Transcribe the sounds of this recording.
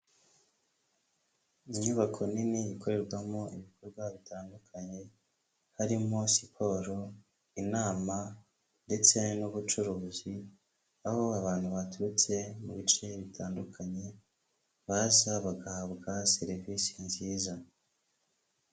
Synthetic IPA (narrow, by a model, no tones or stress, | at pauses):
iɲuβakʰo̞niniːkʰo̞ɾe̞ɾɡwamo̞ʔiβikʰoɾɡwaβitʰaːndukʰaɲe̞ | haɾimosi̥pʰo̞ɾo | inaːma | nde̞t͡se̞nuβut͡ʃuɾuːzi | aho̞aβaːn̥huβatuɾut͡se̞muβit͡ʃe̞βitʰaːndukʰaɲe̞ | βazaβaɡahabɡase̞ɾivisinziːza